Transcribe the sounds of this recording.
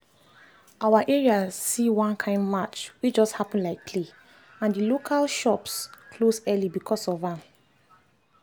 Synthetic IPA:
awaʔɛɹiasiwãnkʰãɪ̃ndmat͡ʃwit͡ʃd͡ʒɔsthapə̃n̩laɪkkʰle | ãndilokʰalʃɔpskʰlosɛlibikʰɔsɔvãm

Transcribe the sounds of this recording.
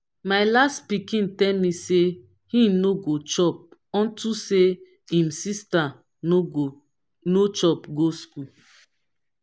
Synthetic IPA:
maɪlastpikĩntɛlmise | hĩnoɡot͡ʃɔp̚ɔ̃ntuse | ĩmsista | o | not͡ʃɔpɡosku

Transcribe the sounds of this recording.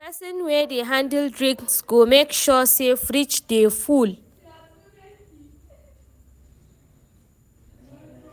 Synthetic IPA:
pɛsɔ̃nwɛdeɦãndɛldɹĩŋsɡ̥omekʃɔsefɹit͡ʃdeful

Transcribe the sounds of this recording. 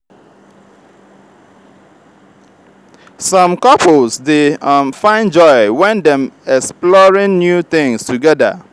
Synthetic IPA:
sɔ̃mkɔpolsdefãɪ̃nd͡ʒɔɪwɛ̃ndɛ̃mɛksplɔɹĩnnjut̪ɪ̃ŋstʰuɡɛda̰

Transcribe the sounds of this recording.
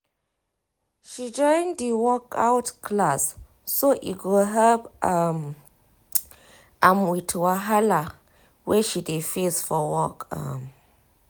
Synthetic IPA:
ʃid͡ʒɔj̃ndiwɔkawtkʰlas | soʔḭɡoɦɛpam | ʔamwitʰwaɦala | wɛʃidefisfɔwɔkʰa̰m

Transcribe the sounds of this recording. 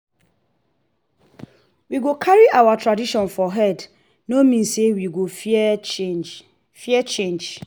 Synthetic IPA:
wiɡokʰaɹiʔawatʰɹadiʃɔ̃nfɔɦɛd | nomĩnsewiɡo | fiɛt͡ʃẽnd͡ʒ

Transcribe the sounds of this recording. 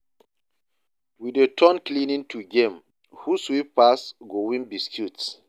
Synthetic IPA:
widetʰɔnklĩnĩŋtʰuɡẽm | huswippasɡowĩnbiskʰjuts

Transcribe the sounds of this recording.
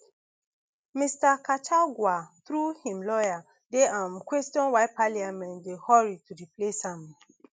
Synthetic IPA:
mistakat͡ʃʰaɡwaθɾuhĩmlɔja | deãmkwɛstɔ̃nwaɪpaliamɛ̃ndehɔɹitudiplesãm

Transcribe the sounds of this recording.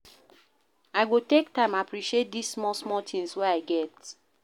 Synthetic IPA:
aɪɡotek̚tãɪ̃mapɹiʃiet̚disːmɔsmɔtʰĩŋswɛaɪɡɛt

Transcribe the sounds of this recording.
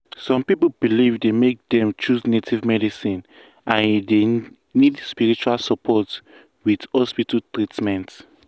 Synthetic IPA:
sɔ̃mpipobilivdemek̚dɛ̃mt͡ʃusnetʰivmɛdisĩn | ʔãnde | nidspiɹit͡ʃualsɔpʰɔt | wiθhɔspitʰaltɹitmɛ̃nt

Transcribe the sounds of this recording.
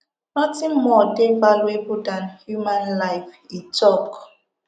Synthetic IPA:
nɔtimɔdebalwebudanhjumanlajfitɔk

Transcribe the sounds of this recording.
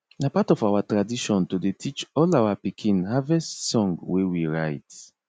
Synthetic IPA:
apatɔfawatɹadiʃɔ̃ntodetʰit͡ʃɔlawapikʰĩnhavɛstsɔ̃ŋɡwewiɹaɪt

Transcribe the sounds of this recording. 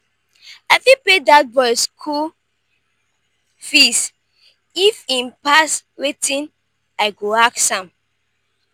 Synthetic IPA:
aɪfĩpledaɡ̚bɔjskʰu | fis | ifĩnpaswetʰĩn | aɪɡoaksãm

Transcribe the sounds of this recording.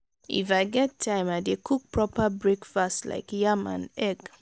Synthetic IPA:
ʔḭfaɪɡɛtʰːãɪ̃madekʰuk̚pʰɹɔpəbɹekfasla̰ɪkjamã̰nɛɡ

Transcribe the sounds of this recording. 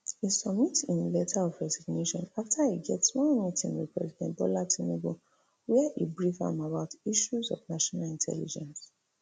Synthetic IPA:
isɔbmitĩnlɛtʰaɔvɹɛziɡneʃɔ̃naftʰaiɡɛtswɔ̃mitʰĩnwḭpʰɹɛzikãnbɔlatʰĩneɡu | wɛaʔibɹifã̰mabaʊtiʃuzɔ̰vnaʃɔnalĩntʰɛ̰lḭd͡ʒɛ̃ns

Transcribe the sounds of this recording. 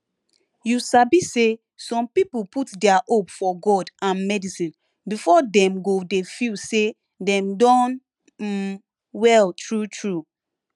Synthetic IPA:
jusabise | sɔ̃mpipuputdɛaʔopfɔɡɔdʔãnmɛdisĩn | bifɔdɛ̃mɡodefise | dɛ̃mdɔ̃n | wɛltɹutʰɹu

